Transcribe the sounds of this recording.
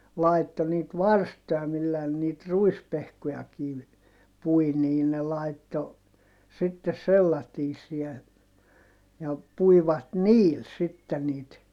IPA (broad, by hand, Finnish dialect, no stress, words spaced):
lɑitːo niːt ʋɑrstojɑ milːæː ne niːt ruispehkojɑkiːʋ pui niː ne lɑitːo sitːes selːɑtiːsˑiɛ jɑ puiʋɑt niːl sitːe niːt